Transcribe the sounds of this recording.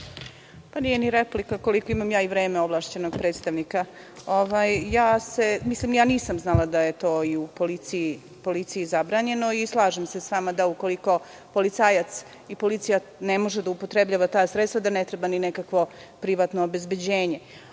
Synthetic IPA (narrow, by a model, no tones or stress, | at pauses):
panijeniɾeplikauko̞likoimamjaːiʋɾeːmeoblˠaːʂt͡ɕenoɡ̚pɾeːt̪st̪aʋnika | oʋajjaːse̞mislimd̪jaːniːsamznalˠad̪ajet̪o̞ːiupo̞lit̪siji | po̞lit̪sijizabɾaːɲe̞noislˠaːʒemsesʋamad̪auko̞liko̞ | po̞lit̪saːjat̪s | ipo̞lit̪sijanemo̞ʒed̪aupo̞t̪ɾe̞bʎʲaːʋat̪aːsɾet̪st̪ʋad̪anet̪ɾebaninekakʋo̞pɾiʋat̪noːbezbed͡ʑeːɲe̞